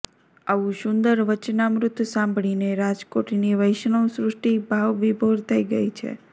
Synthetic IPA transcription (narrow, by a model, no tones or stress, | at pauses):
aʋũʃʊ̃nd̪əɾʋət͡ʃnamɾʊt̪ːsãmbʱɭineɾad͡ʒkoʈniʋəjʃɳõsɾʊsʈibʱaʋʋibʱoɾt̪ʰəiɡəjt͡ʃʰḛ